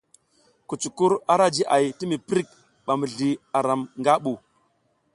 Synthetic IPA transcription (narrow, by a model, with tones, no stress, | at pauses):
ku˨t͡ʃu˨ku˦ɾa˦ɾa˦d͡ʒi˦ʔa˨jti˦mi˨pɾi˦˨k̚ | ɓa˨mi˨ɮi˨a˨ɾa˨mŋɡa˦ɓu˨